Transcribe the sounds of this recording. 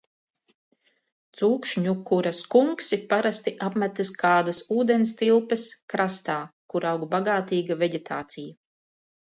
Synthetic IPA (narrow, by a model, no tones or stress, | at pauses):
t̪suːkʃɲukuɾɐskuŋksipaɾast̪iʔapmʲæt̪ɐskaːd̪ɐsuːd̪enʲst̪ilˠpɛskɾast̪aːkuɾawɡbaɡaːt̪iːɡavɛɟʲet̪ʰaːt̪sija